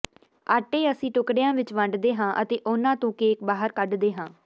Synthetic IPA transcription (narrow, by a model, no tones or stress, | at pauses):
aːʈːeːəsĩːʈʊkɽɪjãːʋɪt͡ʃʋə̃ɳɖd̪eːɦãːʔət̪eːʔʊnãːt̪õːkeːkbaːɦəɾkəɖd̪eːɦãː